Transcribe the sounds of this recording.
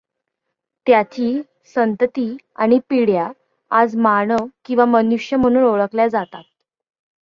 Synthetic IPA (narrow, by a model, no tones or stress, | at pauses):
t̪jat͡ɕiː | sənt̪ət̪iː | aɽ̃ipiɽja | ad͡zmaɳ̃əʋkĩw̃ʋamənuʂjəm̤əɽ̃uːnoɭəkljad͡zat̪at̪̚